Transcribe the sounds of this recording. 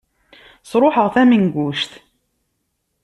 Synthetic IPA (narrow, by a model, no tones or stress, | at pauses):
sˤɾˤoħəʁθæmiŋɡʷuʃθ